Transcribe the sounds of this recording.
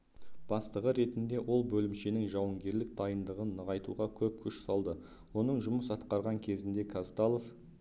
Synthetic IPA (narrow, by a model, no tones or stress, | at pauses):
b̥ɑst̪əʁəɾe̞t̪ɪnd̪e̞wʔo̞lˠbɵlɪmʃenɪŋʒɑwəŋɡʲe̞ɾlɪk̚d̪ɑjənd̪əʁənːəʁɑjt̪uʁɑkʲʰɵp̚kʲʰʏʃsɑlˠd̪ə | wo̞nəɴʒʊməsɑt̪qɑɾʁɑŋkʲʰe̞zɪnd̪e̞kʰast̪alˠof